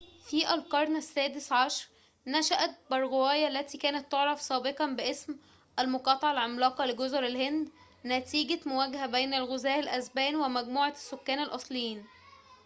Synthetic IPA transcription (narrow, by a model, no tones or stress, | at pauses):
fiːʔælqɑɾˤnæsːæːd̪esʕɑʃɾˤ | næʃæʔæt̪̚bɑɾˤɣowæːjælːæt̪iːkæːnæt̪ːoʕɾˤɑfsˤɑːbeqɑnbɪʔesm | ʔælmʊqɑːt̪ˤɑʕɑlʕomlɑːqɑlɪɡozoɾælhend̪ | næt̪iːɡæmʊwæɡæhæbæjnælɣʊzæːʔɪlʔæzbæːnwæmæɡmuːʕɑsːʊkːæːnælʔɑsˤlejːiːn